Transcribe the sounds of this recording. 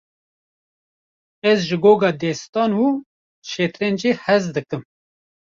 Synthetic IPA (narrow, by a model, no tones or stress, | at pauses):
ɛzʒɨɡoːɡɑːd̪ɛst̪ɑːnuː | ʃeːt̪ɾeːnd͡ʒiːhɛzd̪ɨkɨm